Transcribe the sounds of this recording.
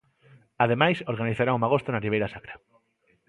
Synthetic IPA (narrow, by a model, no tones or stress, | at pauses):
að̞emajsoɾɣaniθaɾaŋumaɣ̞ost̪onariβ̞ejɾasakɾa